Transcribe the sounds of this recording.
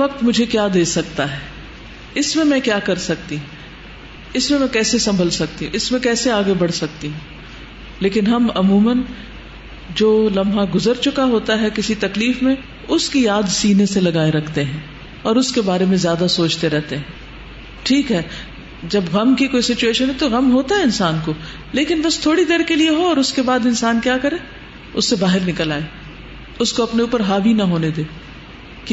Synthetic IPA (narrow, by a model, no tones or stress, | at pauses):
ʋɐk̚t̪mʊd͡ʒʱekjaːd̪eːsɐkt̪aɦɛː | ɪsmẽmɛ̃kjaːkɐɾsɐk̚t̪iɦũ | ɪsmẽmɛ̃kɛːsesɐ̃mbʱəlsɐk̚t̪iɦũʔɪsmẽkɛːseaːɡebɐɽ̤sɐk̚t̪iɦũː | leːkɪnɦɐmɐmuːmən | d͡ʒoːlɐ̃mbʱãɡʊzəɾt͡ʃʊkaɦoːt̪aɦɛkɪsit̪ɐkliːfmẽ | ʊskijaːd̪siːneselɐɡaːeɾɐkʰt̪eɦɛ̃ː | ɔːɾʊskebaːɾemẽzjaːd̪asoːt͡ʃt̪eɾɛɦt̪eɦɛ̃ː | ʈʰiːkɦɛː | d͡ʒɐbɣɐmkikoːisɪt͡ʃueːʃənɦɛt̪oɣɐmɦoːt̪aɦɛɪnsaːnko | leːkɪnbɐst̪ʰoːɽid̪eːɾkelieɦoɔːɾʊskebaːd̪ɪnsaːnkjaːkɐɾẽː | ʊsːebaːɦɪɾnɪkəlaːe | ʊskoɐpneuːpəɾɦaːbʱinɐɦoːned̪eː | k